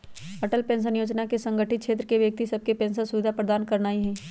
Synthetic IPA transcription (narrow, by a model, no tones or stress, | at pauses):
əʈəlpɛ̃ːns̬ənjoːd͡ʒnakesə̃ŋɡʱəʈʰɪt̪̚ʃʰeːt̪ɾəkeʋjək̚t̪isəb̚kepẽːnsasʊʋɪd̪ʱapɾəd̪aːnkəɾnaːiɦɛ̃ː